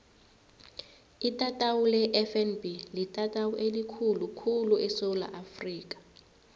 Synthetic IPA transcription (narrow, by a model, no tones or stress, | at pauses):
itʼatʼawulɛʔɛfɛnbilitʼatʼawuʔelikʰulukʰuluɛsɔla̰ʔafriːk̬ʼḁ